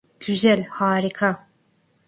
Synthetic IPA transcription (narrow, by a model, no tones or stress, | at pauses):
ɟ̥yzælʲhaːɾikʰa